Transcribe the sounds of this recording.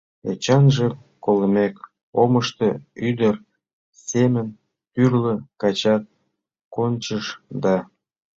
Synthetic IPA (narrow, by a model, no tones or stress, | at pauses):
ḛt͡ɕɑnʒĕ | koləmek | oməʃt̪əyd̪ər | semən | t̪yrləkɑt͡ɕɑt̪̚ | konʲt͡ɕəʃd̪ɑ